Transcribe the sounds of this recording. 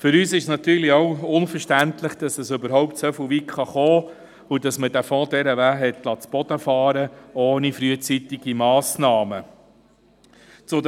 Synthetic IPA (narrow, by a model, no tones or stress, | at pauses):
fʏɾyːsɪʃsnɑt̪yːɾliowʊnfəɾʃtænt̪ləχd̥ɑsəsʏbəɾɦɔʊptsɛfəʋikχɑχoː | ud̥ɑsməd̥æfɔ̃ːd̪ɛɾəʋæːɦɛt̪lɑt͡sb̥ɔd̥̪əfɑːɾəoːnifɾyət͡sit̪ɪɡ̥imɑːsnɑːmə | t͡sʊd